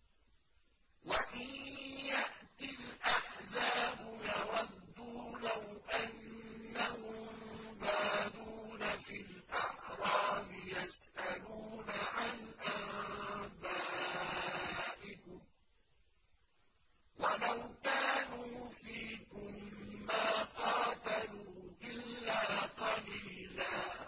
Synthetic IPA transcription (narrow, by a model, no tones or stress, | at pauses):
waʔɪnjaʔt̪ɪlʔaħzaːbʊjɑwɑd̪ːuːlawʔanːahʊmbaːduːnafilʔaħɾˤɑːmɪjasʔaluːnaʕanʔaʕbaː | ʔɪkʊm | walawkaːnuːfiːkʊmːaːqɑːt̪aluːʔɪlːaːqɑliːlaː